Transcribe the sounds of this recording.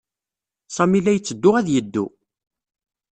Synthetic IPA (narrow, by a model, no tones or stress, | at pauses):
sɑmilːæjət͡sːəd̪ːʊʁæðjəd̪ːṵ